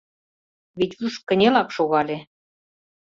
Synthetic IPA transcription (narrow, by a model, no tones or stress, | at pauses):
βet̪ʲyʃkə̆nʲelɑkʃoɣɑlʲe